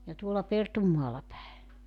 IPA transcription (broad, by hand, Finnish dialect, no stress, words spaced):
jɑ tuolːɑ pertumːɑːlːɑ pæe